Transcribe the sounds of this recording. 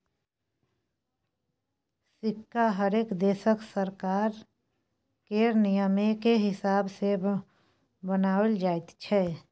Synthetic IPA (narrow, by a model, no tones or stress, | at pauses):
sɪkːaɦəɾeːkd̪eːsəksəɾkaːɾ | keɾnijəmekeɦɪsaːbse | bənaːəld͡ʒaːɪt̪t͡ʃʰɛ